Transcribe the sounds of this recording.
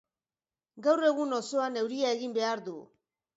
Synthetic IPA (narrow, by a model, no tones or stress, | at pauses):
ɡawre̞ɣunosoane̞wɾiae̞ɣimbe̞aɾðṵ